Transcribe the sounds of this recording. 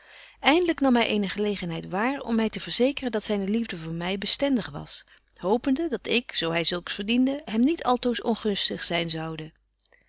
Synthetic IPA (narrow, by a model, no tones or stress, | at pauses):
ʔɛjndələknɑmɦɛjʔejnəχəlejχənɦɛjtʋaːɹɔ̰mːɛjtəvəɹzejkərəndɑtsɛjnəlivdəvʊːɹmɛjbəstɛndəχʋɑ̰s | howpəndədɑtɪksowɦɛjzɵlˠksfəɹdindəɦɛmnitʰɑlˠtowsɔnχɵnstəχsɛjnzɑwdə